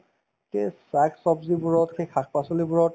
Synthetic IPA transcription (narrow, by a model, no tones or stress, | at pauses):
kesaksɔbzibuɹɔtxʰejxʰakʰpasɔlibuɹɔt